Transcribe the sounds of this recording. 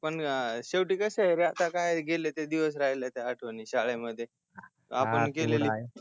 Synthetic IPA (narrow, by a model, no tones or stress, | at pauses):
pəɳɕeʋʈiːkəseɾeat̪akajɡʱelet̪ed̪iʋəs̬ɾaɦjlet̪aɦaʈʰʋəniɕaɭeməd̪ʱːjḛ | apənkeleli